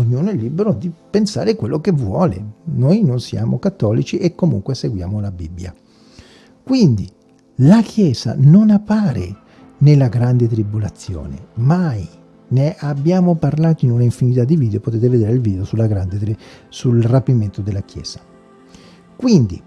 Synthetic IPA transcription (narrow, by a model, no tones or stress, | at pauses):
oɲːuːnoɛlːibeɾod̪ipensa̰ːɾekwelːokevwɔːlḛnojnonsja̰ːmokat̪ːɔːlit͡ʃiʔekːomṵŋkweseɡwja̰ːmolabibːja̰ | kwind̪i | lakʰjɛːz̥a̰nonapːaːɾḛ | nelːaɡɾand̪et̪ɾibulat̪sːjo̰ːnḛmaj | neʔabːjaːmoparlaːt̪oinunaiɱfinit̪ad̪ːiviːd̪eopot̪eːt̪eved̪eːɾeilviːd̪eosulːaɡɾand̪eɾisulrapiment̪od̪elːak̟jɛ̰ːz̥ḁ | kwind̪ḭ